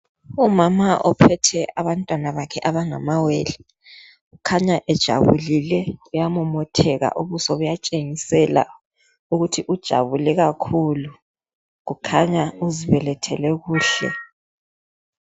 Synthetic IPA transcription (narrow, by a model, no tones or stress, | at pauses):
umamaʔɔpʰɛtʰɛʔaβantʼwanaβakʰɛʔaβaŋa̰maweːli | ɣukʰaɲaʔɛd̥ʒ̥ʱa̰βulilɛujamɔmɔtʰɛɣa̰ʔuβusɔβujat͡ʃʼeŋisɛla̰ | uɣutʰiʔud̥ʒ̥ʱa̰βulɛɣakʰulu | ɣukʰaɲauziβɛlɛtʰɛ̰lɛɣuːɬɛ̰